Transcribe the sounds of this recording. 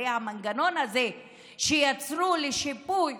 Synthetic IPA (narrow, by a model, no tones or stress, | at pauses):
jamaŋɡanonaze | ʃiat͡sɾuliʃipu